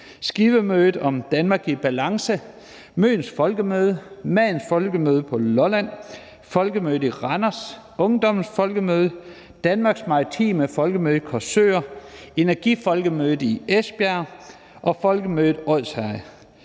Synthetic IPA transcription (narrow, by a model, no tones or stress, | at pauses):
sɡ̥iʋəmøːðˠð̩ˠɒ̽md̥ænmɑ̈ːɡ̥ib̥ælɑ̈ŋsə | mø̰ːn̩sfɒ̽lɡ̥əmøːð̞ˠəmæðn̩sfɒ̽lɡ̥əmøːð̞ˠəpʰɒ̽lɒlæn̰ | fɒ̽lɡ̥əmøːð̩ˠiʁɑnɐs | ɔ̽ŋd̥ɒ̽mn̩sfɒ̽lɡ̥əmøːð̞ˠə | d̥ænmɑ̈ːɡ̥smɑ̈ɐt͡sʰḭːmefɒ̽lɡ̥əmøːðˠəkʰɒsø̰ːɐe̝næɐɡ̥ifɒ̽lɡ̥əmøːð̩ˠiesb̥æɐ | ʔɒ̽fɒ̽lɡ̥əmøːð̩ˠɒð̰ˠshæ